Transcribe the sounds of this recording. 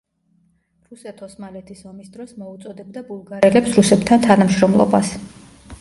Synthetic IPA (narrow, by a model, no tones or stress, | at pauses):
ɾusɛt̪ʰɔsmalɛt̪ʰisɔmisd̪ɾɔsmɔut̪sʼɔd̪ɛbd̪abulˠɡaɾɛlɛpsɾusɛp̚t̪ʰant̪ʰanamʃɾɔmlˠɔ̰ba̰s